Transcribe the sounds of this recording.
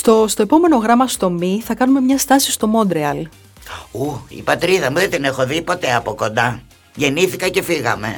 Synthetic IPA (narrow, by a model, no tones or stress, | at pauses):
st̪ost̪o̞epo̞me̞no̞ɣɾɐmɐst̪o̞miθɐkɐnume̞mɲɐst̪ɐsi̥st̪o̞mo̞nd̪ɾeɐl | uḭpɐt̪ɾiðɐmuðet̪ine̞xo̞ðipo̞t̪e̞ɐpo̞ko̞nd̪ɐ | ʝe̞niθikɐce̞fiɣɐ̰me̞̰